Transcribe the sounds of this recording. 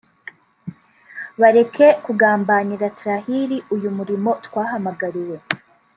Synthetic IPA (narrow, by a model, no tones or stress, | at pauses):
βaɾe̞kʰe̞kuɡaːmbaniɾatɾahiɾiʔujumuɾimo̞t̪waːɦamaɡaɾiwe̞